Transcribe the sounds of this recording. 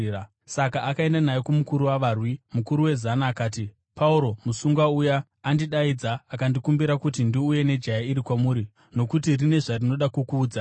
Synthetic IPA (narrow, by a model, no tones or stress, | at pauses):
a | sakaːkae̞ndanajekumukuɾuwaʋaːrwimukuɾuwe̞zanaːkaːti | pauɾo̞musuŋɡwaujaː | ndiɗaid͡zaakandikumbiɾakutindiuje̞ne̞d͡ʒajaiɾikwamuːɾi | no̞kutirine̞ʐarino̞ɗakukuːd͡za